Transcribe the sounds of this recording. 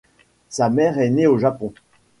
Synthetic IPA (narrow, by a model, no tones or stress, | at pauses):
samɛʁɛneoʒapɔ̃